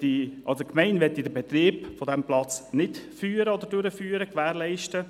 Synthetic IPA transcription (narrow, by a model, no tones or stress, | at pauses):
tiʔɑlsokmɛɪnʋɛt̪ːid̪əbɛt̪riːbfod̪ɛmplɑt͡snɪtfyːɾəɔd̪əɾdøɾəfyːɾəkʋæːɾlɛɪʃtə